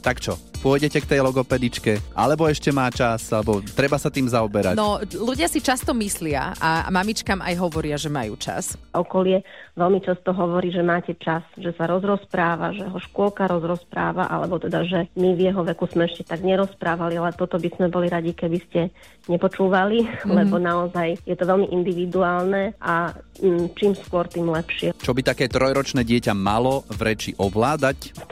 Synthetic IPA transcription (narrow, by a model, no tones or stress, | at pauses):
t̪akt͡ʃɔpʊɔjɟɛcɛkt̪ɛjlɔɡɔpɛd̪it͡ʃkɛʔa̰lɛbɔɛʃcɛmaːt͡ʃasalɛbɔt̪ɾɛbasat̪iːmzaɔbɛɾa̰nɔluɟɪasit͡ʃast̪ɔmislɪa̰a̰mamit͡ʃkaːma̰jɦɔʋɔɾɪaʒɛmajṵːt͡ʃa̰sɔkɔlɪɛʋɛlmit͡ʃast̪ɔɦɔʋɔɾiːʒɛmaːcɛt͡ʃasʒɛsaɾɔzɾɔspɾaːʋaʒɛɦɔʃkʊɔlkaɾɔzɾɔspɾa̰ːʋa̰ʔa̰lɛbɔt̪ɛd̪aʒɛmivjɛɦɔʋɛkuzmɛɛʃcɛt̪aɡɲɛɾɔspɾaːʋalialɛt̪ɔt̪ɔbizmɛbɔliɾaɟikɛbiscɛ | ɲɛpɔt͡ʃuːʋalilɛbɔnaɔzajjɛt̪ɔʋɛlmiʔind̪iʋid̪uaːlnɛʔa | t͡ʃiːmskʊɔɾt̪iːmlɛpʃɪɛt͡ʃɔbit̪akɛːt̪ɾɔjɾɔt͡ʃnɛːɟɪɛcama̰lɔvɾɛt͡ʃiʔɔʋlaːd̪ac̪